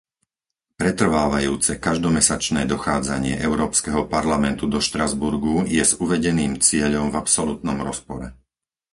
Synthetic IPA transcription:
pɾɛt̪r̩ʋaːʋajuːt͡sɛkaʒd̪ɔmɛsat͡ʃnɛːd̪ɔxaːd͡zaɲɪɛ̰ʔɛʊɾɔːpskɛɦɔpaɾlamɛnt̪ud̪ɔʃt̪ɾazbuɾɡujɛzuʋɛɟɛniːmt͡sɪɛʎɔmvapsɔlut̪nɔmɾɔspɔɾɛ

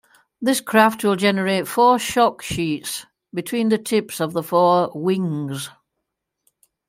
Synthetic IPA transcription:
ðɪskʰɹ̥aft̚ʰwɪlˠd͡ʒɛnəɹeɪtfɔːʃɒkʃiˑts | bɪtʰw̥ĩːnðətʰɪpsəvðəfɔːwɪ̃ŋz̥

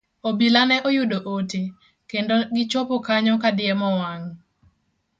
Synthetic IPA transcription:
obilanɛʔɔjʊdoʔote | kendoɡɪt͡ʃopokaɲɔkadɪjɛmɔwaŋ

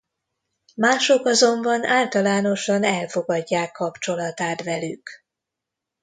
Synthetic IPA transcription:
maːʃo̞kɒzo̞mbɒnaːlt̪ɒlaːno̞ʃɒnɛlfo̞ɡɒɟːaːkːɒpt͡ʃo̞lɒt̪aːt̪ʋɛlyk

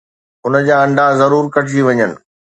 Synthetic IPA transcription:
ʊnəd͡ʑaːɐ̃ɳɖʱazɐɾuːɾkɐʈʰiʋɐɲənɪ̆

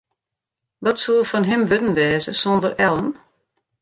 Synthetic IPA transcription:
ʋɔtsolˠfɔnɦɪmʋødən̩ʋɛːzəsɔndərɛlˠən

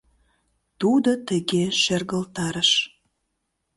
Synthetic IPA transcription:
t̪ud̪ot̪ə̆ɣeʃerɣəlt̪ɑɾəʃ

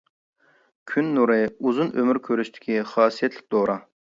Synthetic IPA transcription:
kʲʰynːuɾɨuzunʔømyɾkʲʰøɾyʃt̪ʰɪ̥kʲʰiχɑːsijɛt̪ʰlɪk̚ʲd̪oɾʔɑ

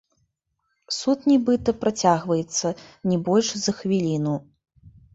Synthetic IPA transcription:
sut̪nʲɛbɨt̪ɐpɾat͡sʲaɣvɐjɛt̪sːɐnʲɛbɔlʲʂzɐxvʲilʲinu

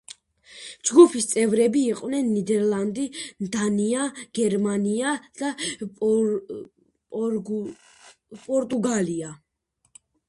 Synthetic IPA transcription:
d͡ʒɡupʰist̪sʼɛvɾɛbiːqʼwnɛnːid̪ɛɾlˠand̪ind̪aniaɡ̥ɛɾmaniad̪̥a | pʼɔɾt̪ʼuɡalia

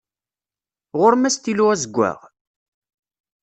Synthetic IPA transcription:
ʁʊɾmæst̪iluʁæzəɡʷːæ̰ʁ

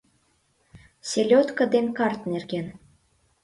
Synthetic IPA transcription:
sʲelʲot̪kə̆d̪enkɑrt̪nerɣen

